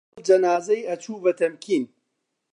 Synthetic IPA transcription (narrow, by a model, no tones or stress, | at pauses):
d͡ʒɐnaːzɐjɐt͡ʃuːbɐt̪ʰɐmkʰiːn